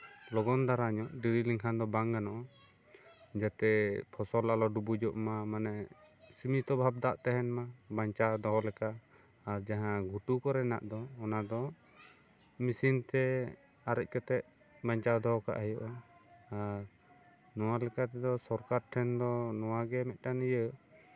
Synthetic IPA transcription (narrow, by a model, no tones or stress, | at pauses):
lɔɡɔnd̪aɾaɲɔʔɖiɾiliŋkʰand̪ɔbaŋɡanɔʔɔ | d͡ʒat̪ɛpʰɔsɔlalɔɖubud͡ʒɔʔmamanɛ | simit̪ɔbʱab̚d̪aʔt̪ɛɦɛnmabaɲt͡ʃad̪ɔɦɔlɛkaː | ɾd͡ʒaɦãɡʱuʈukɔɾɛna̰ʔd̪ɔːnad̪ɔ | misint̪ɛ | aɾɛc̚ˀkɛt̪ɛʔ̚ | baɲt͡ʃad̪ɔka̰ʔɦɛjɔʔɔ | aɾ | nɔwalɛkat̪ɛd̪ɔsɔɾkaɾʈʰɛnd̪ɔnɔwaɡɛmɛt̪̚ˀʈanijə